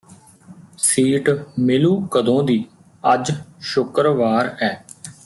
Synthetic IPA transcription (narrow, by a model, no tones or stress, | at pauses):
siːʈmɪluːkəd̪õːd̪iː | əd͡ʒʃʊkɾʋaːɾɛː